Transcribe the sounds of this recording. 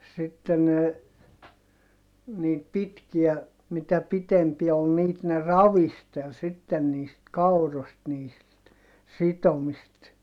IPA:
sitːe ne niːt pitkiæ mitæ pitempiæ ol niːt ne rɑʋistel sitːen niːst kɑurost niːst sitomist

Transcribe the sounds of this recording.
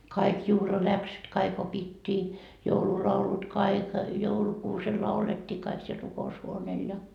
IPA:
kɑik juhlɑlæksyt kɑik opitːiː joululɑulut kɑik joulukuːsel lɑuletːiː kɑik siel rukoushuoneːl jɑ

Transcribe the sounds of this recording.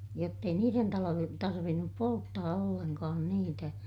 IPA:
jotː ei niːren tɑlojen tɑrʋinːup poltːɑː olːenkɑːn niːtæ

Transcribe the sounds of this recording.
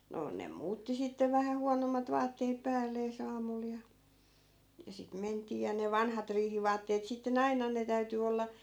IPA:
no nem muːtːi sitːeʋ ʋæhæ huɑnomːɑt ʋɑːtːeːp̆ pæːlːeːs ɑːmul jɑ jɑ sit mentˑiː jɑ ne ʋɑnhɑt riːhiʋɑːtːeːt sitːen ɑinɑn ne tæyty olːɑ

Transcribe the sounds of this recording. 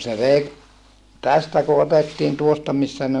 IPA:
se ʋei tæstæ ku otetːiːn tuostɑ misːæ ne

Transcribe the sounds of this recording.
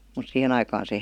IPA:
mut sihen ɑikɑːn se

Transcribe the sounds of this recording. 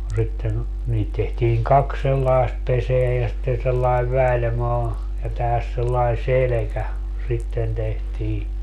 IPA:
no sitːen niːt tehtiːŋ kɑks selːɑest peseæ jɑ sitːen selːɑeʋ ʋælʲmɑː jɑ tæhæs selːɑi selekæ sitːen tehtiː

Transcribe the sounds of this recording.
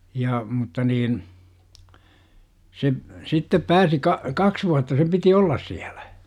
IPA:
jɑ mutːɑ niːn se sitːep pæːsi kɑ kɑks ʋuɑtːɑ sem piti olːɑs siæl̥æ̥

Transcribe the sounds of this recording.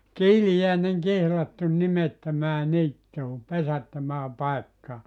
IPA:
kiːlijæˑenen kihlɑtːun nimetːømæː niːtːuː pesætːømæː pɑekːɑː

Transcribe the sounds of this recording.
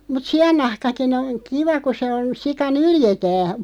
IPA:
mut siɑnːɑhkɑkin oŋ kiʋɑ ku se on sikɑ nyljetæː

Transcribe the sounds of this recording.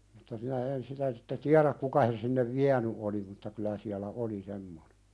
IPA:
mutːɑ minæ en sitæ sitːe tiæɾæk kukɑ sen sinːeʋ ʋiæny oli mutːɑ kylæ siælæ ʔoli semːone̥

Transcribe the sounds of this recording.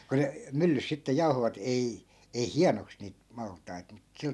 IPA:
ku ne mylːys sitːe jɑu̞hoʋɑt ei ei hiɑnoks niːt mɑltˑɑi̯t mut sil

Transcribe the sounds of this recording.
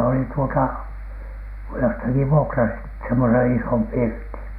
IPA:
olit tuotɑ jostɑki ʋuokrɑsit semːosen isom pirtin̥

